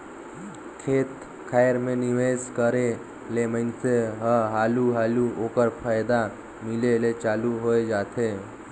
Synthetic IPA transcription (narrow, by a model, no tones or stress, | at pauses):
kʰeːt̪ | kʰaːjɾmẽnɪʋeːskəɾe | leməɪnseɦəɦaːluɦaːluoːkəɾpʰaːjd̪a | mɪlelet͡ʃaːluɦoːed͡ʒaːt̪eː